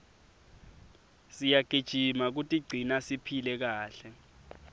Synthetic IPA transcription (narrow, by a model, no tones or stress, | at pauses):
sijaɡ̥ʱid̥ʒ̥ʱimak̬utʼiɡ͡ǀʱinasipʰilɛk̬aːɬɛ